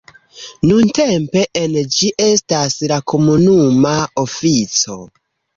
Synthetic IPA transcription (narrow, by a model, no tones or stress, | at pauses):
nunte̞mpe̞ʔend͡ʒiʔe̞staslakʰo̞munumaofit͡so̞